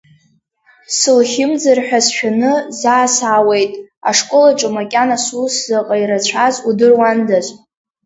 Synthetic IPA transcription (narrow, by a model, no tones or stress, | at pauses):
sɨlχʲɪmd͡zarħʷᶣasʃᶣanɨzaːsaːwejtʼaʂkʼolaʈ͡ʂʼɨmakʲʼanasuszaqʼaiɾat͡ɕʷʰazudɨrwandazʷ